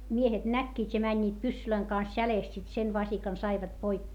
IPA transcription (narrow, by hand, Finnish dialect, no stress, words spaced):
miehet nækːiːtʲ jɑ mænʲːiːt pysːyløiŋ kɑns jæleˑst sit sen ʋɑsikɑn sɑiʋɑt poikːeː